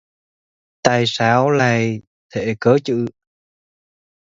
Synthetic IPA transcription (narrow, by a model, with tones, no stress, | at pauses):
t̪a̰ː˧˨jsaː˨˧˦wlaː˧˨j | t̪ʰe˧˩kəː˨˦t͡ɕɨ̰˧˨